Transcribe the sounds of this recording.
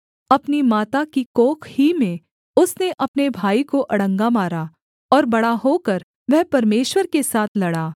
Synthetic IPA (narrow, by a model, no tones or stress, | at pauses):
ɐpnimaːt̪akikoːkʰhimẽ | ʊsneʔɐpnebʱaːikoʔɐɽə̃ŋɡamaːɾa | ɔːɾbɐɽaɦoːkɐɾ | ʋɛɦpɐɾmeːʃwəɾkesaːt̪ʰlɐɽaː